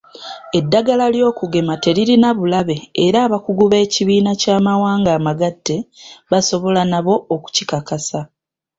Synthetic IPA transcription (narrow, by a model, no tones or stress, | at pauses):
e̞dːaɡalaljo̞ːkuɡe̞mate̞liɾinaβulaβe̞ːɾaːβakuɡuβe̞ːciβiːnacaːmawaːŋɡaːmaɡatːe̞βaso̞βo̞lanaβo̞oku̥cikakasa